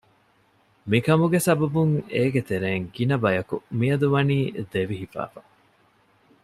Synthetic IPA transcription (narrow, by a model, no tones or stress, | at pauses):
mikɐmuɡesɐbɐbuŋeːɡet̪eɾeːŋɡinɐbɐjɐkṵmiɐd̪uʋɐniːd̪eʋiɦifæ̰ːfa